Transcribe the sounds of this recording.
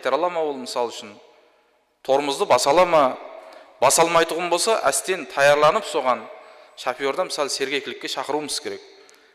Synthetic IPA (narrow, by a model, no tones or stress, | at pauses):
ɑjt̪ɑɾɑlˠɑmɑwolˠmɪsɑlˠʏʃɪn | t̪ʰo̞ɾməzd̪əbɑsɑlˠɑmɑ | bɑsɑlˠmɑjt̪ʊʁənbo̞lˠsɑʔæst̪e̞nt̪ʰɑjɑɾlˠɑnəpso̞ʁɑn | ʃɑpijo̞ɾd̪ɑmɪsɑlˠəse̞ɾɡʲekʲɪlɪkʲːe̞ʃɑqəɾuməz̥kʲʰe̞ɾek̚